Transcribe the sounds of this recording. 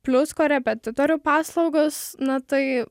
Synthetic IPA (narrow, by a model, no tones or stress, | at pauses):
pʲlʲʊskoːɾʲɛpʲɛt̪ʲɪt̪oːɾʲuːpɑːslˠɐʊɡosnɐt̪ɐɪ